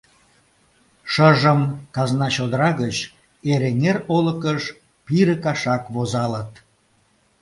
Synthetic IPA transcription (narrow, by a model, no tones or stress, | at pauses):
ʃəʒəmkɑznɑt͡ɕod̪əɾɑɣət͡ɕ | eɾeŋeroləkəʃ | piɾəkɑʃɑkβozɑlət̪